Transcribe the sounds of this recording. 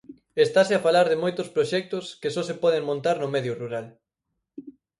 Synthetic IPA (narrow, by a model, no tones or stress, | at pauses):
est̪aseafalaɾðemojt̪ʊspɾoʃɛk̚t̪ʊskesɔsepɔð̞eŋmõnt̪aɾnʊmɛðjʊruɾal